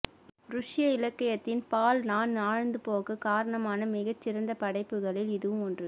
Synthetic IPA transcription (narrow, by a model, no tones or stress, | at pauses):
ɾʊʂɪjɐɪlɐkːɐjɐt̪ːɪnpaːlnaːnnaːɻɐnd̪ɯpoːɣɯkaːɾɐɳɐmaːnɐmɪɣɐt͡ʃːɪɾɐnd̪ɐpɐɽɐɪpːɯɣɐɭɪlɪðɯʋɯmɔndrɯ